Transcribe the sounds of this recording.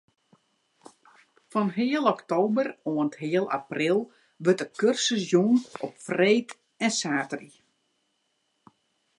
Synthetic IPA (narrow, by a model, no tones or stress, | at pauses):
fɔnɦɪəlˠɔktoːbəroənthɪəlˠa̰prɪlˠ | ʋøtəkørsəsjunɔpfreːt | ɛnsaːtəri